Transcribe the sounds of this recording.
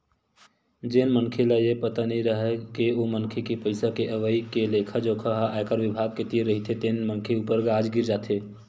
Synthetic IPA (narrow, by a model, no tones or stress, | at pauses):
d͡ʒenmənkʰelajepət̪aniɾəɦɛkeomənkʰekipəɪsakeʔəʋəikelekʰad͡ʒokʰəɦaʔakəɾʋɪbʱaɡ̚ket̪iɾəɦit̪ʰet̪enmənkʰeupəɾɡaːd͡ʒɡiɾd͡ʒaːt̪ʰe